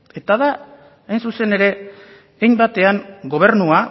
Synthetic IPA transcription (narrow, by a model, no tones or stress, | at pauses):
e̞t̪aðaː | jnsuse̞ne̞ɾe̞ː | jmbat̪e̞aŋɡo̞β̞e̞ɾnua